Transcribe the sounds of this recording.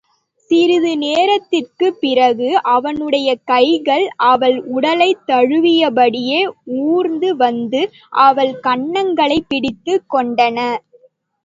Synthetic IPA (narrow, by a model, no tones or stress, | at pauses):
sɪɾɪðɯneːɾɐt̪ːɪrkɯpːɪrɐɣɯʔɐʋɐnɯɽɐjɐkɐɪɣɐɭʔɐʋɐɭʊɽɐlɐɪt̪ːɐɻɯʋɪjɐbɐɽɪjeːuːɾnd̪ɯʋɐnd̪ɯ | ʔɐʋɐɭkɐɳːɐŋɡɐɭɐɪpːɪɽɪt̪ːɯkːɔɳɖɐnɐ